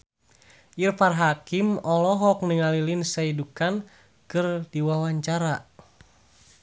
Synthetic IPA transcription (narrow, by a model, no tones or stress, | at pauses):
ʔirfarɦakimɔlɔɦɔk̚niŋalilinsaidukan | kɨrdiwawaɲt͡ʃaɾa